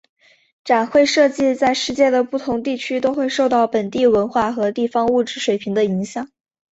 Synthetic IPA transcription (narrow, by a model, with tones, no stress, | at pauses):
ʈ͡ʂa˨˩nxwe˥˧ɪʂɤ˥˧t͡ɕi˥˧t͡sa˥˧ɪʂɻ̩˥˧t͡ɕjɛ˥˩d̪ə˩pu˥˩t̪ʰʊ˧˥ŋt̪i˥˩t͡ɕʰy˥t̪o˥ʊxwe˥˧ɪʂo˥˧ʊt̪ɑ˥˩ʊpə˨˩nt̪i˥˩wə˧˥nxwa˥˩xɤ˧˥t̪i˥˩fɑ˥ŋu˥˩ʈ͡ʂɻ̩˥˧ʂwe˨˩ɪpʰi˧˥ŋd̪ə˧i˧˥ŋɕjɑ˨˩˦ŋ